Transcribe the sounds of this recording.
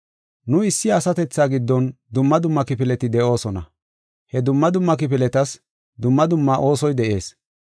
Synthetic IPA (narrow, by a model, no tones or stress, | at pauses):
nʊɪsːɪɐsɐt̪ɛt͡sːaːɡɪd̪ːɔnd̪ʊmːɐd̪ʊmːɐkɪpɪlɛt̪ɪd̪ɛʔo̞ːsɔnɐ̰ | hɛd̪ʊmːɐd̪ʊmːɐk̬ɪp̬ɪlɛt̪ɐs | d̪ʊmːɐd̪ʊmːaʔo̞ːsɔjd̪ɛʔe̞̰ːs